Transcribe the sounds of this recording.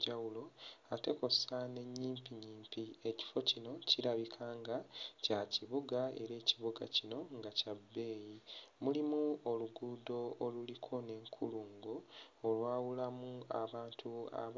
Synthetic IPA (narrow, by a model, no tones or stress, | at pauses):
ɟawulo̞ate̞ko̞sane̞ɲːiːmpiɲiːmpie̞ci̥fo̞cino̞ciɾaβikʰaːŋɡacaciβuɡae̞̰ɾe̞ːciβuɡa̰cino̞ŋɡacabːe̞ːjimulimuoluɡuːdo̞ːlulikʰo̞ne̞ːŋkʰuluːŋɡoːlwaːwulamua̰βaːntʰua̰